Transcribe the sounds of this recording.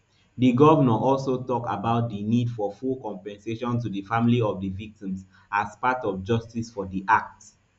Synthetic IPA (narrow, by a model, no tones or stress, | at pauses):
diɡɔvənəʔɔlsotɔka̰baʊt̚dinidfɔfulkɔ̃mpɛ̃nseʃɔ̃ntudəfamiliɔvdəvik̚tĩms | aspatɔvd͡ʒʌstisfɔdiʔak̚t